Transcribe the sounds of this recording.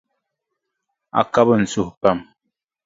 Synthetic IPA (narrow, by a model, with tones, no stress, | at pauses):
a̰˨ka˦bə˦˨n̩˨t͡su˦hpa˦˨m